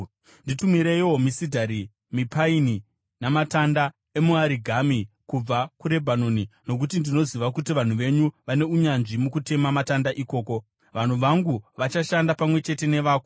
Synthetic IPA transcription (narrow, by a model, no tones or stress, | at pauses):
nditumiɾeiwo̞misidʱaɾi | mipaini | namatanda | e̞muaɾiɡʱamikub͡vakuɾe̞bʱanonino̞k̬ut̬indino̞ziʋakutiʋan̤uʋe̞ɲuʋane̞uɲanʐimukute̞mamatandaʔiko̞ːko̞ | ʋan̤uʋaŋɡuʋat͡ʃaʃandapamwe̞t͡ʃe̞te̞ne̞ʋaːko